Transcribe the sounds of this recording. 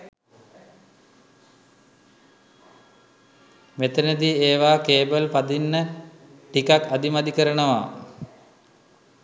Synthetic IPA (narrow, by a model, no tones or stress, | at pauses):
met̪ənəd̪ieːʋaːkeːbəlpad̪inːə | ʈikakad̪imad̪ikəɾənəʋa̰